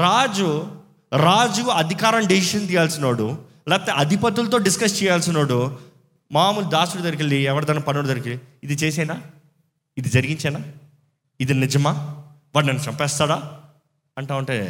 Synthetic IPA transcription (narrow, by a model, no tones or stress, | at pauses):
ɾaːd͡ʒu | ɾaːd͡ʒuɐd̪ʱikaːɾɐmɖisiʃɐnt̪ijaːlsinoːɽu | lɛːpɐt̪eʔɐd̪ʱipɐt̪̬ulɐt̪̬oːɖiskɐst͡ʃɛːjaːlsinoːɽu | maːmuld̪aːsuɽut̪ɐɾik̬ilːiɛʋɐɽd̪ɐnːɐpɐnːoɽt̪ɐɾikiliid̪it͡ʃeːs̬ɐːjnaː | id̪id͡ʒɐɾiɡiɲt͡ʃɛːnaː | id̪inid͡ʒɐmaː | ʋaːɽnɐnːɐt͡ʃɐmpɛːst̪aːɽaː | ɐɳʈaːuɳʈɐḛ